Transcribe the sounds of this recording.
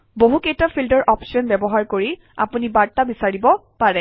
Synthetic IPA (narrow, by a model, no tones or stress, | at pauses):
boɦukejtɔapʰildɔɹʔɔpsiɔnbɛbɔɦaɹkoɹi | a̰punibaɹtabisaɹibɔpaɹɛ